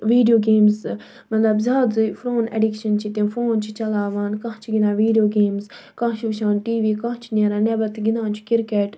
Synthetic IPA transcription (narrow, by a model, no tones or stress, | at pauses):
ʋiːɖijoːɡeːmz | mɐt̪lɐbzaːzuifɾoːnḛɖikʃɐnt͡ʃʰit̪ẽfoːnt͡ʃʰit͡ʃɐlaːʋaːnkãɦt͡ʃʰiɡinãːʋiːɖijoːɡeːmz | kãːt͡ʃʰiʋʃãːnʈiːʋiːkãːt͡ʃʰinʲeɾaːnebɐt̪ɡinãːnt͡ʃʰu̥kiɾkeːʈ